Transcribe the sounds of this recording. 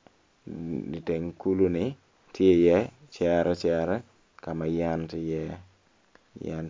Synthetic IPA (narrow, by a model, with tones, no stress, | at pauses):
di˨te˨ŋku˦lu˦ni˦ | ti˦e˦˨jɛ˦t͡ʃa˦ɾɛ˦t͡ʃa˦ɾɛ˦ | ka˨ma˨ja˦nti˦jɛ˦ | ja̰n